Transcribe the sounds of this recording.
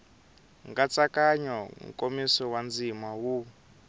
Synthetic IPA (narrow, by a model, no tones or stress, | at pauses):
ŋɡat͡sakaɲɔŋ̩̰kʼomisɔwand͡zimawu